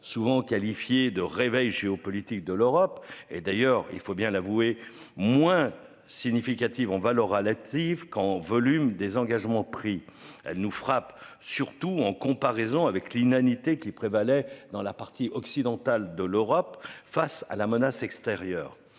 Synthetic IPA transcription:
suvɑ̃kalifjed̪əʁevɛjʒeɔpɔlit̪ik̚d̪əløʁɔpḛd̪ajœʁḭlfobjɛ̃lavue | mwɛ̃ | siɲifikat̪ivɑ̃valœʁalat̪ivkɑ̃vɔlymd̪ezɑ̃ɡaʒmɑ̃pχiɛ̰lnufχap | syʁt̪uɑ̃kɔ̃paʁɛzɔ̃avɛklynanit̪ekʲipχevalɛd̪ɑ̃lapaʁt̪ʰiʔɔksid̪ɑ̃t̪ald̪əløʁɔpfasa̰lamənasɛkst̪eʁjœːʁ

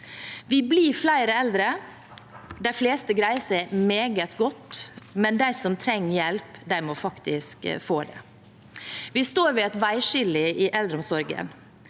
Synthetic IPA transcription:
ʋɪbliːflæɪɾəɛld̪ɾə | d̪æɪfleːst̪əɡɾæɪəsæɪmeːɡət̪ɡɔt̪ːmɛnd̪æɪsɔmt̪ʰɾɛŋːjɛlpd̪æɪmɔfɑkt̪ɪskfoːd̪ɛ̰ | ʋɪst̪oːɾʋɪɛt̪ʋæɪʃɪlɪʔɪʔɛld̪ɾəɔmsɔɾɡə̰n

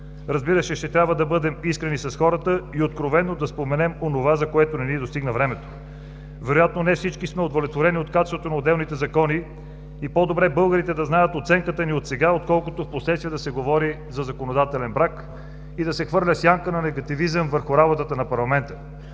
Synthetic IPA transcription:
ɾɐzbiɾəʃɛʃt̪ɛt̪ɾʲabvəd̪ɐbɤd̪ɛmiskɾɛnisɐsxɔɾət̪əiot̪kɾovɛnːod̪ɐspomɛnɛmonovazɐkoɛt̪onɛnid̪ost̪iɡnəvɾɛmɛt̪o̥ | vɛɾojat̪̚nonɛfsit͡ʃkismɛod̪olʲɛt̪voɾɛniot̪kat͡ʃɛsvot̪onɐod̪ɛlˠnit̪ɛzɐkɔniː | pɔd̪obɾɛbɤlˠɡəɾit̪ɛd̪ɐznajət̪ot̪sɛŋkət̪əniot̪sɛɡaot̪̚kɔlˠkot̪ofposlɛt̪st̪viɛd̪ɐsɛɡovɔɾi | zɐzɐkonod̪at̪ɛlɛnbɾak | id̪ɐsɛxvɤɾlʲəsjaŋkənɐnɛɡɐt̪ivizəmvəɾxʊɾabot̪ət̪ənɐpɐɾlˠɐmɛnt̪ə

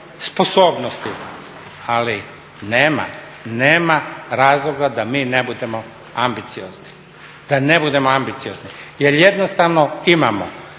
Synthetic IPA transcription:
spo̞so̞ːbnost̪i | ali | neːma̰ | neːmaɾaːzlˠo̞ɡad̪amiːnebud̪e̞mo | ambit̪sijozni | d̪̥anebud̪e̞moambit̪sijo̞znijeɾjed̪nost̪aʋnoimamo̰

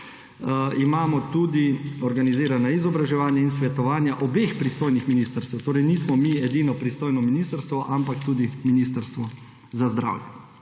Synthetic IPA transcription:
imaːmɔt̪uːd̪iɔɾɡaniziːɾanaizɔbɾaʒɛʋaːnjainsʋɛt̪ɔʋaːnjaʔɔbeːxpɾist̪oːjnixminist̪əɾst̪ɛwt̪oːɾɛjniːsmɔmiɛd̪iːnɔpɾist̪oːjnɔminiːst̪əɾst̪ʋɔʔampakt̪uːd̪iminist̪əɾst̪ʋɔ | zazd̪ɾa̰ːwjɛ

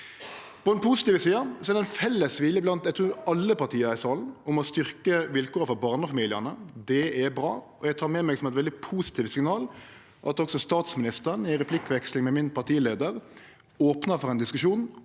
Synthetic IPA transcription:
pʰɔd̪ɛnpʰuːsɪt̪iːʋəsiːəsɔɛɾd̪ɛnfɛlːəsʋɪljəblɑnt̪ɛt̪ʰɾʉːɾɑlːəpɑɾt̪ʰiːəɾɪsɑːln̩ʊmɔst̪ʏʁkəʋɪlkʰoːɾəfɔɾbɑːʁnəɔfɑmiːlɪənəd̪ɛɛbɾɑ̰ːʔɔjæɡt̪ʰɑːɾmɛmɛɡsɔmɛt̪ʋɛld̪ɪpʰuːsɪ̥t̪ʰiːʋsɪŋnɑːl | ʔɑt̪ɔksɔst̪ɑːt̪smɪnɪst̪əɾənɪʁɛpʰlɪkːʋɛkslɪŋmɛmɪnpɑʁt̪ʰiːəleːd̪əɾ | oːpnəfɔʁɛnd̪ɪskʉʃuːn

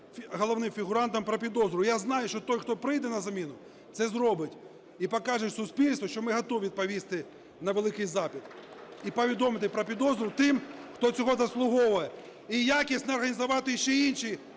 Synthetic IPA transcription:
ɦɔlˠɔʋnɪmfʲiɦʊɾɑnt̪ɐmpɾɐpʲid̪ɔzɾʊjaznɑjʊʃt͡ʃɔt̪ɔjxt̪ɔpɾɪjd̪ɛnɐzɐmʲinʊ | t̪sɛzɾɔbɪtʲ | ipɔkɑʒɪʃsʊspʲilʲst̪ʋɔʃt͡ʃɔmɪɦɐt̪ɔʋʋʲid̪̚pɐʋʲist̪ɪ | nɐʋelˠɪkɪjzɑpʲit̪ipɔʋʲid̪ɔmɪt̪̬ɪpɾɐpʲid̪ɔzɾʊt̪ɪmxt̪ɔt͡sʲɔɦɔzɐslˠʊɦɔʋʊjɛ | ijakʲisʲt̪ʲnɛɔrɦɐnʲizɐʋɑt̪ɪjʃt͡ʃɛinʲʃi

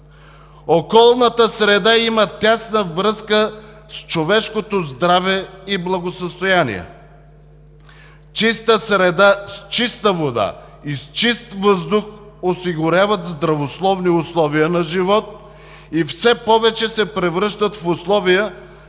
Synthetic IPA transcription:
okɔlˠnət̪əsɾɛd̪aimət̪ʲasnəvɾɤskə | st͡ʃovɛʃkot̪ozd̪ɾavɛiblˠɐɡosəst̪ojanḭɛ̰ | t͡ʃist̪əsɾɛd̪ast͡ʃist̪əvod̪a̰ | ist͡ʃist̪vəzd̪ʊxosiɡʊɾʲavət̪zd̪ɾɐvoslˠɔvniʊslˠɔviənɐʒivɔt̪̚ | ifsɛpɔvɛt͡ʃɛsɛpɾɛvɾəʃt̪ət̪fʊslˠɔvijə

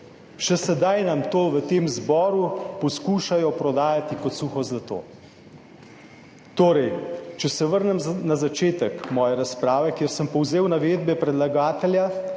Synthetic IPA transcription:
ʃɛsɛd̪ajnamt̪oːʋət̪eːmzbɔːɾupɔskuːʃajɔpɾɔd̪aːjat̪ikɔt̪suːxɔzlat̪o̰ː | t̪oːɾɛjt͡ʃɛsɛʋəɾnɛmnazat͡ʃeːt̪əkmɔːjɛɾaspɾaːʋɛkjeːɾsəmpɔwzeːwnaʋeːd̪̚bɛpɾɛd̪laɡaːt̪ɛlja

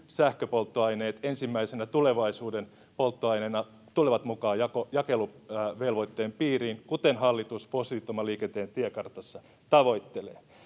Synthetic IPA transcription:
sæhkøpo̞lt̪ːoɑjne̞ːt̪ensimːæisenæt̪ule̞ʋɑisuːden | polt̪ːoɑjnenɑ | t̪uleʋɑt̪mukɑːjɑkojɑkeluʋelʋojt̪ːeːmpiːriːnkut̪enɦɑlːit̪usposit̪omɑliːkent̪eːnt̪iekɑrt̪ɑsːɑ | t̪ɑʋo̞jt̪ːelḛː

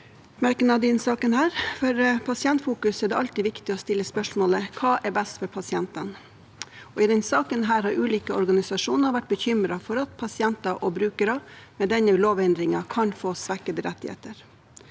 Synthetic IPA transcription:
mæɾkənɑʋd̪ɛnsɑːkənhæːɾfɔɾpʰɑsɪɛnt̪fuːkʉsɛɖ̪ɛʔɑlt̪iːʋɪkt̪ɪɔst̪ɪlːəspœʂmoːləkʰɑːʔɛbɛst̪fɔɾpʰɑsɪɛnt̪ən | ɔɪd̪ɛnsɑːkənɦæːɾhɑɾʉːliːkəɔɾɡɑnɪsɑʂuːnəɾʋæʈ̚bəçʏmɾɑfɔɾɑt̪pʰɑsɪɛnt̪ɑʔɔbɾʉːkəɾɑmɛd̪ɛnəloːʋɛnd̪ɾɪŋɑkʰɑnfoːsʋækəd̪əɾɛt̪ːɪhḛːt̪əɾ

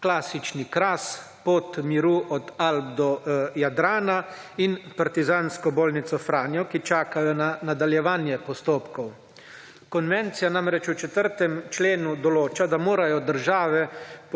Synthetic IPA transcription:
klaːsit͡ʃnikɾas | pot̪miɾuːʔɔd̪alb̚d̪ɔjad̪ɾaːna | inpaɾt̪izaːnskɔboːlnit̪sɔfɾaːnjɔkit͡ʃaːkajɔnanad̪aljɛʋaːnjɛpɔst̪oːpkɔw | kɔnʋɛnt̪sijanamɾɛt͡ʃut͡ʃɛt̪əɾt̪ɛmt͡ʃleːnud̪ɔloːt͡ʃad̪amoːɾajɔd̪əɾʒaːʋɛ

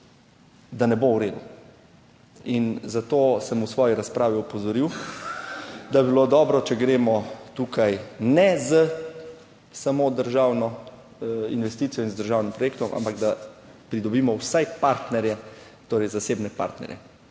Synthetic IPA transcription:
d̪anɛbowɾeːd̪u | inzat̪oːsəmusʋɔːjiɾaspɾaːʋiɔpɔzɔɾiw | d̪abibilod̪ɔːbɾɔt͡ʃɛɡɾeːmɔt̪uːkʰajnɛzə | samod̪əɾʒaːwnɔ | ḭnʋɛst̪it̪sijɔinzd̪əɾʒaːwnimpɾɔjeːk̚t̪ɔmʔa̰mpaɡd̪a | pɾid̪ɔbiːmɔwsajpaɾt̪nɛɾjɛ | t̪oːɾɛjzaseːbnɛpa̰ɾt̪nɛ̰ɾjɛ̰

